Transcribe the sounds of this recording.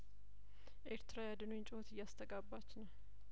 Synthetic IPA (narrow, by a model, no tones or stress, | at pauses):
ʔeɾt̪ɾajad̪ɨnnt͡ʃʼɪhot̪ɨjːast̪ʰəɡabːat͡ʃːnəw